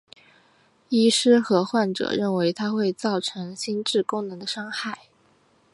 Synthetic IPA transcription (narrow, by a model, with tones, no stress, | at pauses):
i˥ʂɻ̩˥xɤ˧˥xwa˥˩nʈ͡ʂɤ̰˨˩ɻə˥˩nwe˧˥ɪt̪ʰa˥xwe˥˧ɪt͡sɑ˥˩ʊʈ͡ʂʰɤ˧˥ŋɕi˥nʈ͡ʂɻ̩˥˩kʊ˥ŋnɤ˧˥ŋd̪ə˧ʂɑ˥ŋxa˥˩ɪ